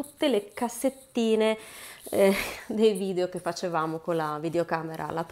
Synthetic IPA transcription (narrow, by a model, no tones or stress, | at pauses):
ut̪ːelekasːet̪ːiːne | d̪ejviːd̪eok̟efat͡ʃevaːmokolavid̪eokaːmeɾʔa̰lap